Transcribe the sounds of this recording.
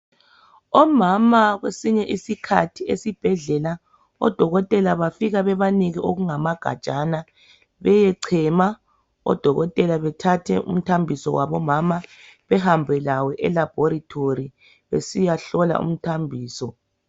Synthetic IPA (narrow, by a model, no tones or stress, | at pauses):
ɔmamaɣwesiɲɛʔisikʰa̰tʰiesib̥ʱɛɮɛla | ɔ̰d̥ʱɔɣɔtʼɛlaβafiɣaβɛβaniɣiʔoɣuŋamaɡ̥ʱa̰̥t͡ʃʼana | βɛjɛǀʰɛma | ɔ̰d̥ʱɔɣɔtʼɛlaβɛtʰatʰɛ̰ʔṵm̩tʰambʱisɔwaβɔmama | βɛɦambʱɛlawɛʔɛlab̥ʱɔɾitʰori | βesijaɬɔla̰ʔṵm̩tʰambʱiːsɔ